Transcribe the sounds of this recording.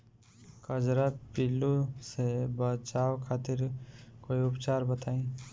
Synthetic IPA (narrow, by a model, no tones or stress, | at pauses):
kəd͡ʒɾapilusebət͡ʃaːwkʰaːt̪ɪɾkoːiʊpt͡ʃaːɾbət̪aːĩː